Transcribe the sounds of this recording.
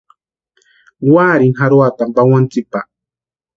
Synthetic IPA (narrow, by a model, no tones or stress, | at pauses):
waɾinɦaɾwat̪ampawant͡sɪpah